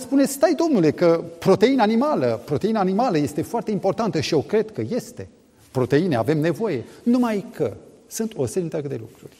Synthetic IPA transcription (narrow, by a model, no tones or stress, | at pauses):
spunesʲt̪ajd̪o̞mnule̞kəpɾo̞t̪e̞inəanimaləpɾo̞t̪einanimaləje̞st̪e̞foart̪e̞impo̞rt̪ant̪əʃie̞kɾe̞d̪kəje̞st̪e̞ | pɾo̞t̪e̞inea̰ve̞mne̞vo̞je̞numajkʰə | sɨnt̪o̞seɾit̪əkd̪e̞lukɾurʲ